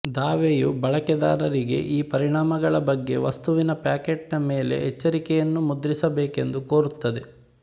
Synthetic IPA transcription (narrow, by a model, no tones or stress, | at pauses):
d̪aːʋeːjubɐɭɐkɛd̪a̰ːɾɐɾiɡe̞̰ʔiːpɐɾiɳaːmɐɡɐɭɐbɐɡːe̞̰ʋɐst̪uʋinɐpaːkeːʈnɐmeːle̞̰ɦɛt͡ʃːɐɾikɛjɐnːumud̪ɾisɐbeːke̞nd̪ukoːɾut̪ːɐd̪e̞